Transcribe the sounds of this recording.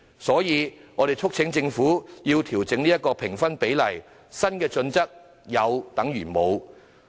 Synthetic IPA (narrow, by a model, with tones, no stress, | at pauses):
sɔː˨˥jiː˨˧ŋɔː˨˧d̪e˨˩jt͡sʰʊ˥k̚t͡sʰɪ˨˥ŋt͡sɪ˧ŋfuː˨˥jiː˧wt̪ʰiː˨˩wt͡sɪ˨˥ŋniː˥jɐ˥t̚kːɔː˧pʰɪ˨˩ŋfɐ˥npe˨˥jlɐ˨˩j | sɐ˥nkɛː˧t͡sɵ˧nt͡sɐ˥k̚ | jɐ˨˧wt̪ɐ˨˥ŋjyː˨˩mo˨˧w